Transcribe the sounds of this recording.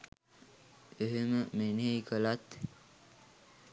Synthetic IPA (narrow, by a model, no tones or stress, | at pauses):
eɦeməmenɦejkəlat̪